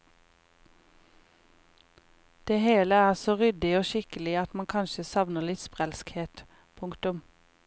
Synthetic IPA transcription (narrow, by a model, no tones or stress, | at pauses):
d̪̥eːheːləæːʁsoːʁʏd̪ɪoːʃɪkəlɪɑt̪mɑnkʰɑnʃəsɑʋnəʁlɪt̪spʁælskheːt̪ | pʰʊŋkt̪ʉm